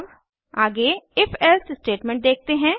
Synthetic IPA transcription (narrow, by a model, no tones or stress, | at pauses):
b | aːɡeɪfɛlsɪsʈeːʈmɛ̃ɳʈ̚d̪eːk̚ʰt̪eɦɛ̃ː